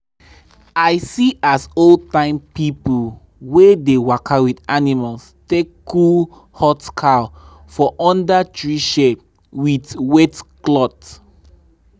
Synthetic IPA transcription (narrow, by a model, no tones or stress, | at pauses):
aɪsiasoltãɪ̃mpipul | wedewakʰawidanimals | tekːul | hɔtkʰa | fɔʔɔ̃ndatʰɹiʃep̚ | widwɛtklɔt